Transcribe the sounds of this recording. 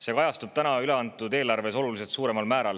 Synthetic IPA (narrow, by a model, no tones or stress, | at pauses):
se̞kɑjɑst̪ub̥̚t̪ænɑyle̞ɑnt̪ːˑud̪e̞ːlɑrve̞so̞lulis̬et̪suːɾe̞mɑlmæːɾɑl